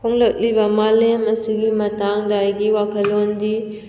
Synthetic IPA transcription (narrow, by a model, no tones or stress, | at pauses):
pʰoŋlɐk̚libɐmalemɐsiɡimɐtaŋdajɡiwakʰɐlːondi